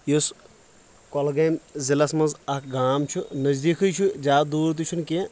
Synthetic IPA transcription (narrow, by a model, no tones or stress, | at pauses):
jus | kolɡɐjmzilɐsmɐnzɐkɡaːmt͡ʃʰunɐzd̪iːkʰɨjt͡ʃʰud͡ʒaːd̪uːɾt̪̬ut͡ʃʰunke